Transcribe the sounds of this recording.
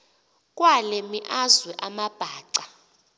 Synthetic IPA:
kʼwalɛmiʔazwɛʔamab̥ʱaːǀa

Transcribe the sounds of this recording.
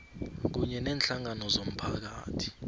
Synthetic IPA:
k̬uɲɛnɛːnɬaŋanɔzom̩pʰak̬a̰ːtʰi̥

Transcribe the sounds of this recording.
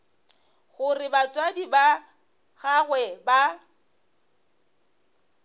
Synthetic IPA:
ɣʊrɪbat͡sʼwadiba | ɣaɣwɛba

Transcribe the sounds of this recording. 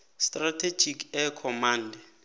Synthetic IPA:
stʼratʰe̥d͡ʒʱikʰɛkʰɔmaːndʱɛ

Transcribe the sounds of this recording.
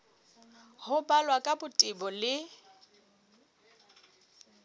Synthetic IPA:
hʊbalwakʼabʊtʼɪbɔlɪ

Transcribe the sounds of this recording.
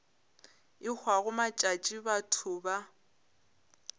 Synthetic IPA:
ɪk͡xʰwaɣʊmat͡ʃʼat͡ʃʼibatʰʊba

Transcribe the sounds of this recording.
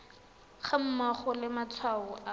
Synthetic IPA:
χam̩maχʊlɪmat͡sʰwaʊʔa

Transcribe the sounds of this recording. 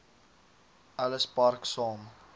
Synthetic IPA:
ʔɐləspɐrksɑːm

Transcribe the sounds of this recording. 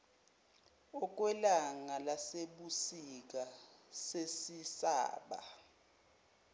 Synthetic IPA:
ɔk̬wɛlaŋalaseɓusik̬asesisa̰ːɓa̰

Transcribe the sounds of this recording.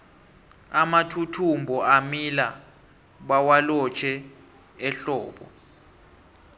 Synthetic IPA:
amatʰutʰumbʱɔamila | ɓawalɔt͡ʃʰɛ | ɛɬɔːɓɔ̰

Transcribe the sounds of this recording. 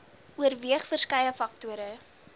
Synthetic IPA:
uərviəχfərskɐjəfɐktuəɾə

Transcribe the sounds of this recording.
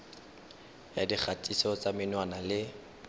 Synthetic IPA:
jadik͡xatʼisɔt͡samɪnwanalɪ

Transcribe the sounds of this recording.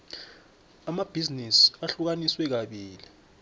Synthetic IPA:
amab̥ʱiznisaɬuk̬aniswɛk̬aɓiːli

